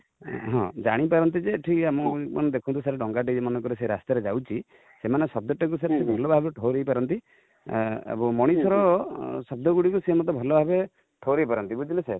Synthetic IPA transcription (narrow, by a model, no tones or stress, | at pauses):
ɦɔ̃d͡ʒaɽ̃ipaɾɔnt̪̬id͡ʒeʈʰikamɔmɔ̰nd̪ekʰunt̪ʰusaɾeɖɔŋɡaɖed͡ʒemɔnɔkɔɾiseɾa̰st̪aɾed͡ʒawt͡ʃʰi | semanesɔb̚d̪ɔʈek̬usaɾt̪ʰibʱɔlɔbʱabeʈʰoɾejpaɾɔnt̪i | ḛbɔmɔɽ̃isʰɔɾɔsɔb̚d̪ɔɡuɽikuseemɔt̪ɔbʱɔlɔbaɦabe | ʈʰoɾeipaɾɔnt̪ibud͡ʒileseɾ